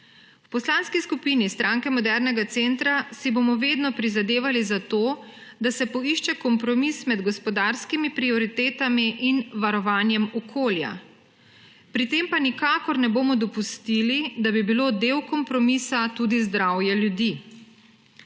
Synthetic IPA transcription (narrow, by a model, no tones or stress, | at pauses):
wpɔslaːnskiskupiːnist̪ɾʔaːŋkɛmɔd̪ɛɾnɛɡat̪sent̪ɾasibomɔʋeːd̪nɔpɾizad̪eːʋalizat̪oːd̪asɛpɔiʃt͡ʃɛkɔmpɾɔmismɛd̪ɡɔspɔd̪aɾskimipɾiɔɾit̪eːt̪amiʔinʋaɾɔʋaːnjɛmɔkʰoːlja̰ | pɾit̪empanikaːkɔɾnɛboːmɔd̪ɔpust̪ilid̪abibiloːd̪eːwkɔmpɾɔmisat̪uːd̪izd̪ɾaːwjɛljud̪i